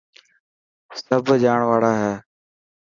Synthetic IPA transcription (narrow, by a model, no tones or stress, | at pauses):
səbʱd͡ʒaːɳ̃ʋaːɽaːɦɛː